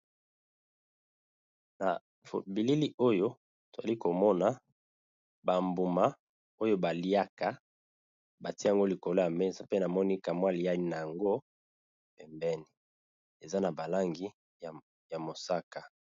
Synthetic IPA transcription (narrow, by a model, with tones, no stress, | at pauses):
na̰˨ | fbi˨li˦li˦o˦jo˦ | to˨za˨li˦ko˨mɔ˦na˨ | ba˨mbu˨ma˦ | o˦jo˦ba˨li˦a˦ka˦ | ba˨ti˦˨ŋɡo˦li˨ko˨lo˦a˨mɛ˦nsa˨pe˦na˨mɔ˦ni˦ka˨mwa˦li˨ja˦i˦na˨ja˨ŋɡo˦ | pɛ˨mbɛ˦ni˨ | e˨za˦na˨ba˨la˦ŋɡi˦˨ | ja˨mo˨sa˦ka˨